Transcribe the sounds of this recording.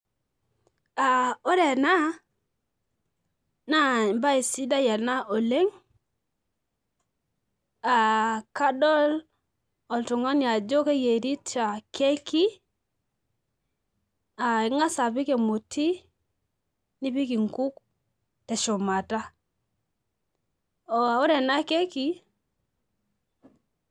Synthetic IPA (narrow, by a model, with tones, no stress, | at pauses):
a˨o˦ɾe˨na˦ | na˦˨mba˦i˨si˦da˦ja˨na˦ʔo˨le˦ŋ | a˨ka˦dɔ˦l | ɔ˨ltu˨ŋa˦nja˨d͡ʒo˦ke˦je˨ɾi˦ta˨ke˦ki˦ | a˨i˨ŋa˦sa˨pi˦ke˨mo˨tʰi˦ | ni˦pi˦ki˨ŋku˦k | te˨ʃo˨ma˨ta˦ | o˨a˨u˦ɾe˨na˦ke˦ki˦